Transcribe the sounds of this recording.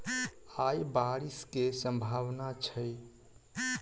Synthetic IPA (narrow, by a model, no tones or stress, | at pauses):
ajbaɾiskesə̃mbʱaʋnat͡ʃʰəj